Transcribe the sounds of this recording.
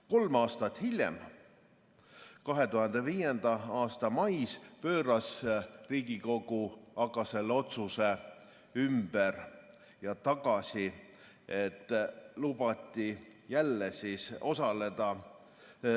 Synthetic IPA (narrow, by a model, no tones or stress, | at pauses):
ko̞lmɑːst̪ɑt̪ːˑhilʲjḛm | kɑɦe̞t̪uhɑnd̪̥e̞viːje̞nd̪ɑɑːst̪ɑmɑjspø̞ːɾɑsriːɡiko̞ɡ̥uɑkɑse̞lːeo̞t̪suse̞ | ymb̥er | jɑt̪ɑɡ̥ɑsi | et̪ːˑlub̥ɑt̪ʲːˑijælːesiso̞sɑle̞d̪̥ɑ